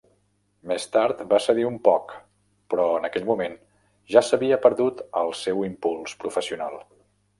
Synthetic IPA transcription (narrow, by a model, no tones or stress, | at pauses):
mest̪aɾt̪basəðiumpɔk | pɾɔənəkɛʎmumen | ʒasəβiəpəɾðut̪ə̰lˠsɛwimpulˠspɾufəsiunalˠ